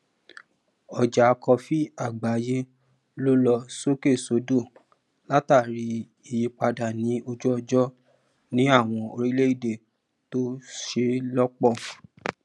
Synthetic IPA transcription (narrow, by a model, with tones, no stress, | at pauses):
ɔ˨d͡ʒa˨˧kɔ˧fi˦a˦˨ɡ͡ba˨˦je˦ | lo˦lɔ˧so˦ke˦˨so˨˦do˦˨ | la˦ta˦˨ɾi˧˦ | i˨ji˧k͡pa˧da˨nĩ˨˦o˧d͡ʒɔ˦˧d͡ʒɔ˦ | nĩ˦a˦˨w̃ɔ̃˧o˧ɾi˦le˦i˦˨de˨ | to˦ʃe˧˦lɔ˦k͡pɔ˦˨